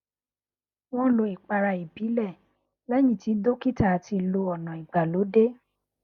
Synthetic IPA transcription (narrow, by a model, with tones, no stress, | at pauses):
w̃ɔ̃˦˨lo˧i˨k͡pa˧ɾa˧i˨bi˨˦lɛ˦˨ | lɛ˦j̃ĩ˦˨ti˨˦do˦ki˦ta˦˨ti˧lo˧ɔ˨nã˨i˨ɡ͡ba˨lo˨˦de˦